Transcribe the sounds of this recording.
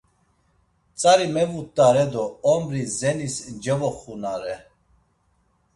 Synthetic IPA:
t͡sʼaɾimɛvut̪ʼːaɾɛd̪ɔɔmɾizɛnisd͡ʒɛvɔχunaɾɛ

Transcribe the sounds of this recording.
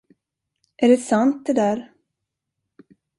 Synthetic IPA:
ʔæɖɛsant̪̚d̪ɛd̪æːɾ

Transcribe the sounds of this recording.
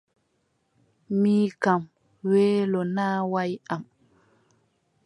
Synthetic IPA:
miːkam | weːlɔnaːwajam

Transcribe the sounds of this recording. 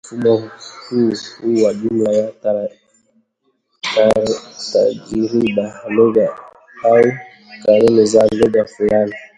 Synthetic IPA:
fuɓɔkushuwad͡ʒumlajataɾa | taɾta̰d͡ʒiɾiɓahaloɡa | hau | kaɾenezaloɡafulan

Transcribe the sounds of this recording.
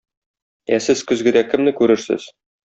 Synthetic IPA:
æsɘzkɵ̆zɡɘ̆d̪ækɘ̆mnɘkʉɾɘɾsɘ̰z̥

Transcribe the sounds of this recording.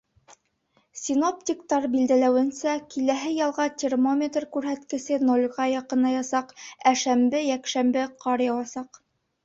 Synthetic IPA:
sʲino̞p̚tʲikt̪ɑɾbild̪ælæwɘ̆nsækilæɦɘjɑlˠʁɑtʲermo̞mʲet̪rkʉɾɦæt̪kɘ̆sɘnolʲʁɑjɑqɤ̆nɑjɑsɑqæʃæmbɘjækʃæmbɘqɑɾjɑwɑsɑq

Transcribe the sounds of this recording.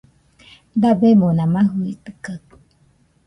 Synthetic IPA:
d̪abemonãmãɦuit̪ɨka

